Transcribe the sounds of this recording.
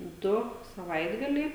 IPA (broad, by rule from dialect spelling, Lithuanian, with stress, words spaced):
ˈdʊ sɐˈʋɐɪdɡɐlʲɛɪ